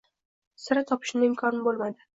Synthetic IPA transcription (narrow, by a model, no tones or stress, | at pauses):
sɪɾɪt̪ʰɒpʰɪ̥ʃnɪɪmkʰɒnɪbolˠmad̪ɪ